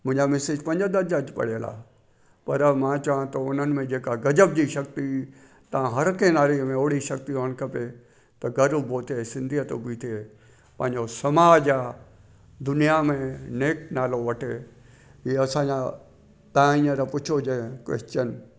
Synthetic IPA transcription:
mʊ̃ɦɪ̃ɲd͡ʑamɛseːd͡ʑpɐ̃ɲd͡ʑəd̪əd͡ʑɐd͡ʑpɐ̰ɽijəla̰ː | pɐɾmãt͡ɕɐʋãt̪ɐʊn̤ənɪ̆mẽd͡ʑeːkaɡɐd͡ʑəb̚d͡ʑiʃɐkt̪i | t̪ɐʋ̤ãɦɐɾkẽnaːɾimẽoːɽiʃɐkt̪iɦoəñkɐpe | t̪ɐɡɐɾəboːt̪ʰesɪ̃nd̪ʱiət̪obit̪ʰie | pɐ̃ɦɪ̃ɲd͡ʑosɐmaːd͡ʑaː | d̪ʊnijamẽneːk̚naːloʋɐʈʰe | ɦiːɐsãã | t̪aãĩə̃ɾapʊt͡ʃʰod͡ʑẽkwɛ̰st͡ɕən

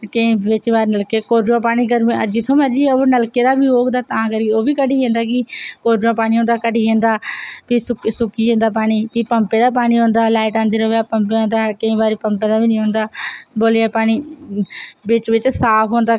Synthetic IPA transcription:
kəĩːʋɪt͡ʃbaːɾnəlkeːkoːɾõːpaːɽ̃iːkəɾ̃əd͡ʒiːt̪ʰõːməd͡ʒiːoːnəlkeːd̪aːbiːoːɡd̪aːt̪aãːkəɾioːʋiːkəɖiːẽːnd̪aːkɪkoːɾõːpaːñiːɦõːnd̪aːkəɖiːɦẽːnd̪aːpiːsʊksʊkiːɦõːnd̪aːp̬aːɽ̃iːpiːpəmpeːd̪aːpaːɽ̃iːɦõːnd̪aːlaːɪʈãːnd̪əɾoːʋaːpəmpeːɦõːnd̪aːkəĩːbaːɾiːpəmpeːd̪aːbiːnĩːɦõːnd̪aːboːlːaːpaːɽ̃iː | bɪt͡ʃʋɪt͡ʃsaːpʰɦoːnd̪aː

